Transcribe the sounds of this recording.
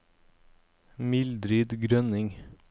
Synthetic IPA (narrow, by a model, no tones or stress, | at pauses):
mɪld̪ɾiːd̪ɡɾœnɪŋ